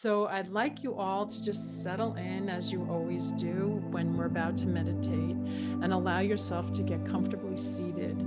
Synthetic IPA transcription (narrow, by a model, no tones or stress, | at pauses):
soʊʔaɪdˡlaɪkʰjəʔɔlˠtʰɨd͡ʒʌstsɛɾl̩ˠɪ̃nɨzjɨʔɔlˠwizdɨwɨ̃nwɪɹɨbaʊtʰɨmɛɾɨtʰeɪt̚ɨ̃nəlaʊjə˞sɛlˠftʰɨɡɛt̚kʰʌ̃ɱftə˞blisiɾɪ̰d̥